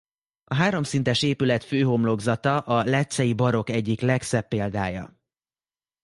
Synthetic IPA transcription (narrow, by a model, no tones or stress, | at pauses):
ɒɦaːɾo̞msint̪ɛʃeːpylɛt̪føːɦo̞mlo̞ɡzɒt̪ɒʔɒlɛt̪sɛjibɒɾo̞kɛɟːiklɛksɛpːeːld̪aːjɒ̰